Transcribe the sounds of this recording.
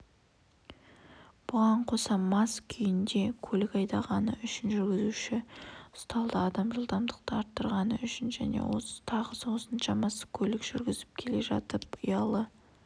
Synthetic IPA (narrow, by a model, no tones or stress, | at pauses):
b̥ʊʁɑɴqʰo̞sɑmɑskʲʰʏjɪnd̪e̞kʲʰɵlɪkɑjd̪ɑʁɑnəʏʃɪnʒʏɾɡʲɪzuʃɪst̪ɑlˠd̪əːd̪ɑmʒəlˠd̪ɑmd̪əq̚t̪əɑɾt̪ːəɾʁɑnəʏʃɪnʒæ̰ne̞̰wo̞̰sə̥t̪ʰɑʁəsəwo̞sənʃɑmɑsə̥kʲʰɵlɪkʒ̥ʏɾɡʲɪzɪp̚kʲʰe̞le̞ʒɑt̪əp̚ʊjɑlˠə